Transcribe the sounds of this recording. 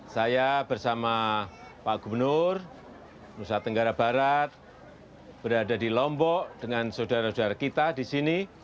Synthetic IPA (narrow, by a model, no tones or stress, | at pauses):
sajabərsamapaʔɡ̥ubərnʊr | musat̪əŋɡaɾabaɾat̪̚ | b̥əɾadadilɔmpɔʔd̥əŋansodaɾasodaɾakit̪adisini